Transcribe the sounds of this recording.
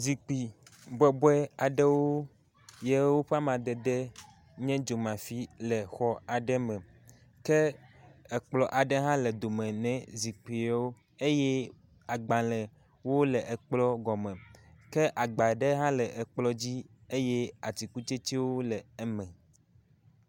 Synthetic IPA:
zi˨k͡pi˨bɛ˨bɔ˦ɛ˦a˨ɖɛ˦wo˦ | jɛ˦wo˦ɸa˦mã˨d̪ɛ˨d̪ɛ˦ | ɲɛ̃˦d͡ʒo˨mã˨fi˦lɛ˨xɔ˦a˨ɖɛ˦mɛ̃˨ | kɛ˦ɛ˨k͡plɔ˨ʔa˨ɖɛ˦ɦã˦lɛ˨d̪o˨mɛ̃˨nɛ̃˨zi˨k͡pi˨a˨wo˦ | e˦jɛ˦ | a˨ɡ͡bã˨lɛ̃˨ | wo˦lɛ˨ʔɛ˨k͡plɔ˦ɡɔ˨mɛ̃˨kɛ˦ʔa˨ɡ͡ba˨ɖɛ˦ɦã˦lɛ˨ʔɛ˨k͡plɔ˦d͡ʑi˦e˦jɛ˦a˨t͡ɕi˨ku˦t͡ʃe˦t͡ɕi˦wo˦lɛ˨ɛ˦mɛ̃˨

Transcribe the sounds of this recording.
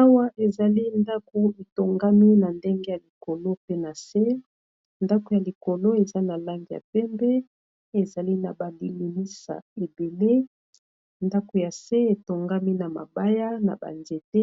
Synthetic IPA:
a˦wa˦ʔe˨za˨li˦nda˦ko˨e˨to˨ŋɡa˦mi˦na˨nde˦ŋɡe˦ja˨li˨ko˨lo˦pe˦na˨se˦ | nda˦ko˨ja˨li˨ko˨lo˦e˨za˦na˨la˦ŋɡi˨ja̰˨pɛ˦mbɛ˦ | e˨za˨li˦na˨ba˨li˨li˨ni˦sa̰˨e˨be˨le˦ | nda˦ko˨ja˨se˦e˨to˨ŋɡa˦mi˦na˨ma̰˨ba˦ja˦na̰˨ba̰˨nze˨te˦

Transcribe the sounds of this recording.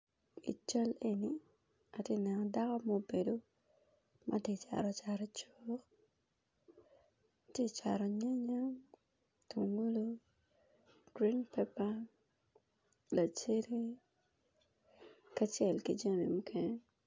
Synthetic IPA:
ḭ˨t͡ʃa˦le˨ni˨ | a˨tje˦˨nɛ˨nɔ˨da˦kɔ˦mo˦˨be˨do˦ | mʔa˦te˦˨t͡ʃa̰˨ɾɔ˨t͡ʃa˨ɾɔ˨t͡ʃok | tje˦˨t͡ʃa˨ɾɔ˨ɲa˦ɲa˦ŋ | tʰu˨ŋɡu˦lo˦ | ɡ̥ɾi˦npɛ˦pa˦ | la˨t͡ʃe˦ɾe˦ | ka˦t͡ʃjɛ˦˨lkḭ˦d͡ʒa˦mi˨mu˦kʰɛ˦ɲɛ

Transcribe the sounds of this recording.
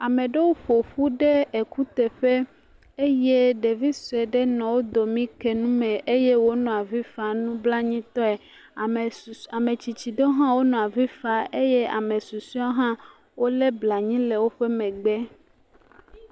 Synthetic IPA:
a˨mẽ˨ɖe˦wo˦ɸo˨ɸu˦ɖe˦e˨ku˦t̪e˨ɸe˦ | e˦je˦ɖe˨vi˦su˨e˨ɖe˦nɔ̃˨wo˦d̪o˨mĩ˦ke˨nũ˦mɛ̃˨ʔe˦je˦wo˦nɔ̃˨a˨vi˦fa˨nũ˦bla˦ɲĩ˦t̪ɔ˦ɛ˨ | a˨mẽ˨t͡ɕi˨t͡ɕi˨d̪o˦ɦã˦wo˦nɔ̃˨a˨vi˦fa˨ʔe˦je˦a̰˨mẽ˨su˨su˦a˦ɦã˦ | wo˦le˦bla˨ɲĩ˦le˨wo˦ɸe˦mɛ̃˨ɡ͡bɛ˦

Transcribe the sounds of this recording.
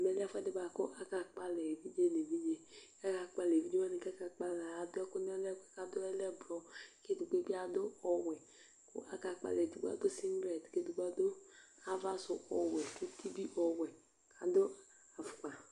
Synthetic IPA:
mɛ˨lfɛ˦dɪ˦ba˨kʊ˦ʔa˦ka˨k͡pa˦lɛ˨vi˦d͡ʒe˦ne˨vi˦d͡ʒe˦a˦ka˨k͡pa˨le˨vi˦d͡ʒe˦wɛ˦ne˨kɛ˦ka˨k͡pa˦la˨a˨dʊ˦ɛ˦kʊ˦n˦ɛ˦lɛ˦kʷɛ˨ka˨dʊ˦ɛ˦lɛ˦blɔ˦ke˦du˨ɡe˦bi˦a˨dʊ˦ɔ˨wɛ˨ | kʊ̰˦ʔa˦ka˨k͡pa̰˨lɛ˨du˨ɡ͡ba̰˨˦dʊ˦si˦m˦bɾɛ˨tke˦du˨ɡ͡ba˦dʊ˦ | a˦va˦sʊ˨ʔɔ˨wɛ˨ke˦tʰi˦bi˦ʔɔ˨wɛ˨ | kʰa˨dʊ˦ | a˨fʊ˨k͡pa˨

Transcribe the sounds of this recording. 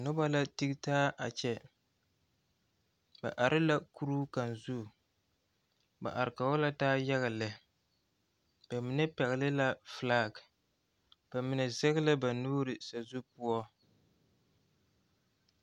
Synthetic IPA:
nʊ˦ba˦la˦ti˦ɡtaː˦ʔa̰˨t͡ʃɛ˦ | ba̰˨ʔa˨ɾɨ˦la˦ku˦ɾuː˦ka˨n˨zu˦˨ | ba̰˨ʔa˨ɾɪ˨ka˨wɔ˦la˦taː˦ja˦ɣa˨lɨ˨ | b̥a˨mɪ˦nɛ˦pɛ˨ɣɪ˨lɨ˦la˦flaː˦˨ɡ | b̥a˨mɪ˨nɛ˨zɛ˦ɣlɨ˦ba˨nuː˦ɾɨ˨sa˨zu˦pu˦ɔ˦

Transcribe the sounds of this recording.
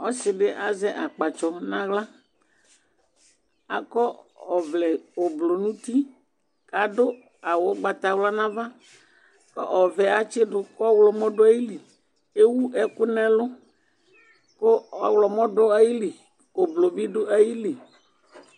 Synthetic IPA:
ɔ˦sɪ˨ɖɪ˦ʔa˨zɛ˦ʔa˨k͡pa˨t͡ʃɔ˨nã˦ɣla˦ | a̰˨kɔ˦ɔ˨vlɛ˨o˨blo˨nũ˦t̪i˦ | ka˨ɖʊ˦ | a˨wo˨˦ɡ͡ba˨t̪a˨wla˦nã˦va˦ | kɔ̰˦ʔɔ˨vɛ˨a˨t͡ʃɪ˦ɖʊ˦kɔ˦wlɔ˨mɔ̃˦ɖʊ˦a˦ji˦li˨ | e˦wu˦ʔɛ˨kʊ˦nɛ̃˦lʊ˦ | kʊ˦ɔ˨wlɔ˨mɔ̃˦ɖʊ˦a˦ji˦li˨ | o˨blo˨bi˦ɖʊ˦a˦ji˦li˨

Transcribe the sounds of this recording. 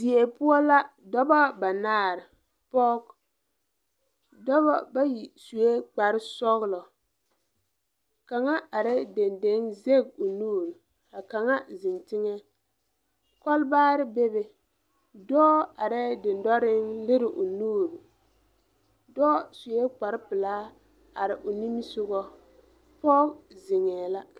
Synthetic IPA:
zi˨e˨pʊ˦ɔ˦la˦ | dɔ˦bɔ˦ba˨naː˦˨ɾɪ˨ | pɔ˦k | dɔ˦βɔ˦ba˦ji˨su˨e˦k͡pa˨ɾɪ˦sɔ˦ɣlɔ˨ | ka˨ŋa˦a˨ɾɛ˦de˨nde˨˦ŋze˦˨ɡ̚o˨nuː˦˨ɾ | a˨ka˨ŋa˦zɪ˨ntɪ˦ŋɛ˦ | kɔ˦lbaː˦ɾɪ˦be˦bɛ˨ | dɔː˦a˨ɾɛ˦dɪ˨ndɔ˦ɾɪ˦ŋlɪ˦ɾɪ˨ʔʊ˨nuː˦˨ɾʊ˨ | dɔː˦su˨e˦k͡pa˨ɾɪ˦pɪ˨laː˦ | a˨ɾɪ˨ʔo˨ni˦m˦sʊ˦ɣɔ˦ | pɔ˦kzɪ˨ŋɛː˨la˦

